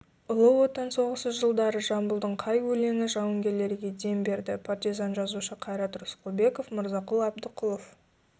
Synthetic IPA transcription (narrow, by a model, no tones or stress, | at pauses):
ʊlˠəwo̞t̪ɑnso̞ʁəsəzʒəlˠd̪ɑɾəʒɑmbʊlˠd̪əɴqʰɑjwɵle̞ŋɪʒɑwəŋɡʲe̞ɾle̞ɾɡʲe̞d̪e̞mbe̞ɾd̪ɪpʰart̪izɑnʒɑzuʃəqʰɑjɾɑt̪ɾʊsqobe̞ko̞fməɾzɑqʊlˠɑbd̪əqʰʊlˠof